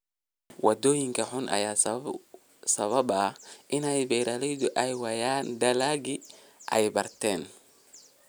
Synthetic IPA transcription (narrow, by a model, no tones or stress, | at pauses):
wɐd̪ɔːjɪŋkʰɐħʊnʔɐ̰jaː | sɐβɐbɐʔɪnɛjbɛjɾʔaːlɛjdʊʔɛjwɐjaːnd̪ɐlaːɡɪ | ʔɛ̰jbɐrt̪ʰɛːn